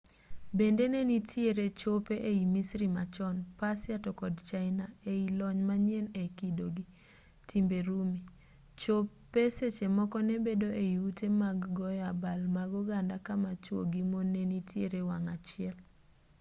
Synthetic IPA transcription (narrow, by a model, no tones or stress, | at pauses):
bendenenitʰjeɾet͡ʃopeʔeimisɾimat͡ʃɔnpasɪatɔkɔdt͡ʃaɪnaeilɔɲmaɲjenekidoɡi | tʰimbeɾumi | t͡ʃopː | eset͡ʃemɔkɔnebedoʔeiutemaɡːɔjabalmaɡɔɡandakamat͡ʃwo̰ɡimonenitʰjeɾewaŋat͡ʃɪɛl